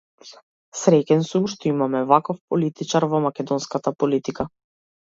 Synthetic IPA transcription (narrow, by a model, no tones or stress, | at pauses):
sɾɛcʲɛnsumʃt̪ɔimamɛvakɔfpɔlit̪it͡ʃaɾvɔmakʲɛd̪ɔnskat̪apɔlit̪ika